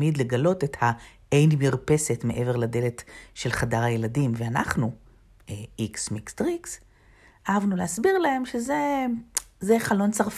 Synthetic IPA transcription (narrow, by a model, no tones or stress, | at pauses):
midle̞ɡalo̞tetha | ejnmiʁpe̞setme̞ʔe̞ve̞ʁlade̞letʃe̞lχadaʁajeladimveana̰χnu | eiksmikstʁiks | aavnuleasbiʁlahe̞mʃeze̞ | zeχalo̞nt͡saʁf